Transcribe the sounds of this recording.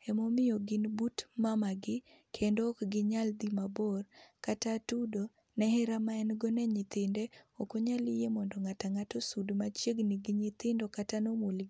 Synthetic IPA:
ɛmomɪjoɡɪnbutmamaɡɪ | kʰendokɡɪɲald̪imabɔrkatatudo | nɛhɛɾamaɛnɡɔnɛɲɪt̪ɪndɛokoɲalɪjemɔndɔŋataŋatosudmat͡ʃjeɡniɡɪɲɪt̪ɪndɔkatanomolɡi

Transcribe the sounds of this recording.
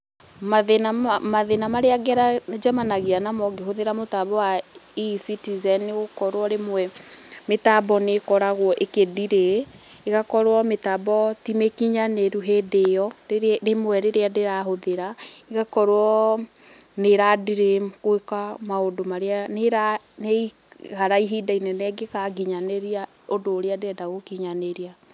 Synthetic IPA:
maðenamaðenamaɾeaɡɛɾad͡ʒɛmanaɣeanamɔɡeɦoðeɾamotaβɔwaisitizɛneɣokɔɾwɔɾemwɛmetabɔnekɔɾaɣwɔʔekeðiɾeː | ɣakɔɾwɔmetabɔtimekiɲaneɾuɦedejɔɾemwɛɾeɾeadeɾaɦoðeɾaeɣakɔɾwɔ | neɾadiɾemkwekamaondomaɾeaneɾa | nei | haɾaiɦidainɛnɛɡeɣaɡiɲaneɾia | odoːɾeadeɛdaɣokiɲaneɾia

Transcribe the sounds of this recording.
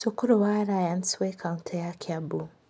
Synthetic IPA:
sukʊɾuwaːɾajanswekʰawntʰajakʰʲabu

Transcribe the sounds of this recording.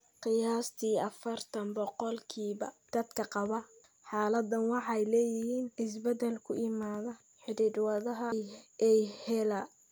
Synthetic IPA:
qɪjaːst̪ʰiːɐfɐrt̪ʰɐnbɔqɔlkʰiːβɐ̰d̪̥ɐd̪kʰɐqɑβɐ | ħɑːlɐd̪ɐnwɑħɑjlɛːjɪhiːnɪsbɐd̪ɛlkʰʊʔɪmaːðɐ | ħɪɾiːd̪wɑðɐɦɐjʔɛjhɛla

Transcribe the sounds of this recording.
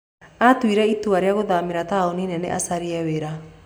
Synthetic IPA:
atwiɾɛituaɾeaɣoðameɾataoninɛnḛʔa̰saɾiɛweɾa

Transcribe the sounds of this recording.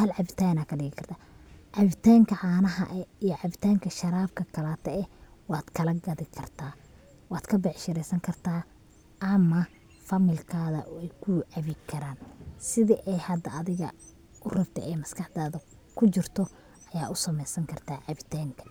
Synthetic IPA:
hɐlʕɑβɪt̪ʰaːnaːkʰɐɖɪɣɪkʰɐr̥t̪ʰaːʕɑβɪt̪ʰaːŋkʰɐʕaːnɐɦɐ̰ʔɛijɔʕɑβɪt̪ʰaːŋkʰɐʃɐɾaːb̚kʰɐkʰɐlaːt̪ʰɛɛwɑːd̪kʰɐlɐɡɐðɪkʰɐrt̪ʰaː | wɑːd̪kʰɐbɛʕʃɪɾɛjsɐŋkʰɐrt̪ʰaː | ʔɐmɐ | fɐmɪlkʰaːðɐ̰ʔɔɛjkʰʊʕɑβɪkʰɐɾaːnsɪðɪʔɛjhɐd̪ɐːðɪɣɐ̰ | ʔʊrɐbt̪ʰɐ̰ʔɛjmɐskɐħd̪aːðɐ | kʰʊt͡ʃɪrt̪ʰɔ | ʔɐjaːʔʊsɐmɛjsɐŋkʰɐrt̪ʰaːʕɑβɪt̪ʰaːŋkʰɐ̥

